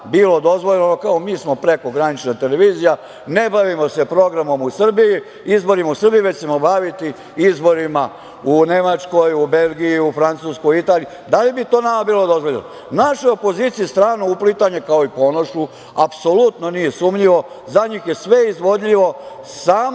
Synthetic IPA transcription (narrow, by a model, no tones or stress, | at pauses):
biːlo̞d̪o̞zʋoʎenokaomiːsmo̞pɾe̞ko̞ɡɾanit͡ʃnat̪eleʋiːzija | ne̞baʋimo̞se̞pɾo̞ɡɾamo̞musr̩biji | izbo̞ɾimausr̩bijiʋet͡ɕt͡ɕe̞mobaʋit̪i | izbo̞ɾima | une̞mat͡ʃko̞jube̞lˠɡijiufɾant̪suːskojit̪aːlijud̪alibit̪oːnamabiːlˠo̞d̪o̞zʋoʎeno | naʃojo̞po̞ziːt̪sijist̪ɾaːnuuplit̪aɲekaoipo̞noʃu | apso̞lut̪no̞nije̞suːmʎiʋo̞ | zaɲixje̞sʋe̞izʋo̞d̪ʎiʋo̞ | saːm